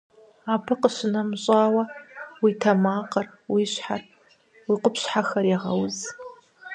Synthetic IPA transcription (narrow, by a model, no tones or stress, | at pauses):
aːbɨqəɕɪnɐmɕʼaːwɐwitʰɐmaːqɐr | wiɕħar | wiqʷʊpɕħaxɐɾiʁɐwz